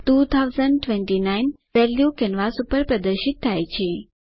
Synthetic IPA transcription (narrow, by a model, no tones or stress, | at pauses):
ʈut̪ʰawzəɳɖʈʋɛɳʈinajn | ʋɛljukɛnʋasupəɾpɾəd̪əɾʃit̪ʰːajt͡ʃʰe